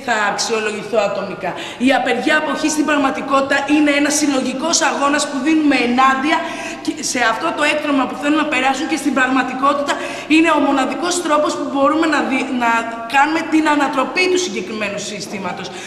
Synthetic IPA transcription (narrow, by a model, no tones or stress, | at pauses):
θɐːksio̞lo̞ʝiθoɐt̪o̞mikɐ | iɐpe̞ɾʝɐːpo̞çist̪imbɾɐɣmɐt̪iko̞t̪it̪ɐʔine̞enɐsːilo̞ʝiko̞sɐɣo̞nɐspuðinume̞ːnɐd̪iɐ | cese̞ɐft̪o̞t̪o̞e̞kt̪ɾomɐpuθelumnɐpe̞ɾɐsuɲce̞st̪imbɾɐɣmɐt̪iko̞t̪it̪ɐ | ine̞o̞mo̞nɐðiko̞st̪ɾo̞po̞spubo̞ɾume̞nɐinɐ | kɐnume̞t̪inɐnɐt̪ɾo̞pit̪usiɲɟe̞kɾime̞nusist̪imɐt̪o̞s